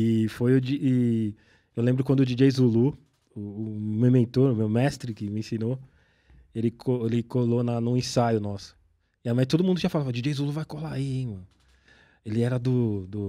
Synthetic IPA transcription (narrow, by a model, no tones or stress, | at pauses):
ɪfojʊd͡ʒiʔɪ | ewlẽbɾʊkwɐ̃nd̪ʊd͡ʒid͡ʒejzulu | ʊːmewmẽt̪oɾʊmewmɛst̪ɾɪkɪmɪẽsĩno | elɪkʰoelɪkolonɐnũẽsajʊnɔsʊ̥ | ɪamajt̪od̪ʊmũd̪ʊt͡ʃĩɐfalavad͡ʒid͡ʒejzuluvajkolaiẽmɐ̃n | elɪɛɾɐd̪ʊd̪ʊ